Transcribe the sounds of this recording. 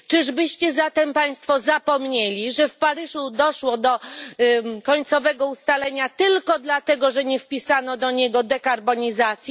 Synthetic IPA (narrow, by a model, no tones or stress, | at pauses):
t͡ʂɨʐbɘɕt͡ɕɛzat̪ɛmpaj̃st̪fɔzapɔmɲelʲiʐɛfpaɾɘʐud̪ɔʂwɔd̪ɔ | kɔɲt̪sɔvɛɡɔust̪alɛɲat̪ɘlkɔd̪lat̪ɛɡɔʐɛɲɛfpʲisanɔd̪ɔɲɛɡɔd̪ɛkaɾbɔɲizat̪sʲji